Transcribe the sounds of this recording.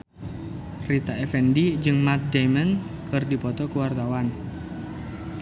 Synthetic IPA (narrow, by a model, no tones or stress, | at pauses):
rit̪aɛfɛndid͡ʒɨŋmat̪̚dajmənkʰɨrdipɔt̪ɔkuwart̪awan